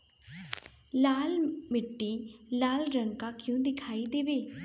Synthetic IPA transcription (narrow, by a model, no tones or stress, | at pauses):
laːlmɪʈːiːlaːlɾəŋkaːkɪjũːd̪ɪkʰaːid̪eːʋeː